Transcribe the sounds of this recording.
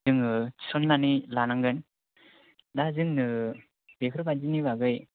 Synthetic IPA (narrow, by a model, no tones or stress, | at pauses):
ɯŋɯ̥sɔnːanilanaŋɡɯn | dazɯŋnɯ | b̥ekʰɯɾɯbad͡ʒinibaɡɯj